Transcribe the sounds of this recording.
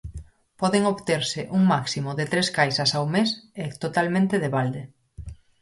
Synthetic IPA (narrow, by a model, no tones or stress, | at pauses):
pɔðeŋoβt̪eɾsɪʔuŋmaksimoðet̪ɾeskajsasawmeset̪ot̪almẽnt̪eðeβald̪e